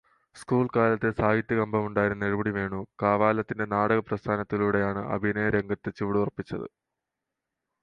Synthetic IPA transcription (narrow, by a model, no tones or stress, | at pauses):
skuːɭkaːlɐt̪ːesaːɦit̪ːjɐɣɐmbʱɐmuɳɖaːjiɾɨneɻubɐɽiʋe̞ːɳukaːʋaːlɐt̪ːinde̞naːɽɐɣɐprɐst̪ʰaːnɐt̪ːiluɽe̞jaːɳɨʔɐ̰bʱinɐjɐɾeŋɡɐt̪ːet͡ɕiʋɽurpːit͡ɕːɐ̰ðɨ̰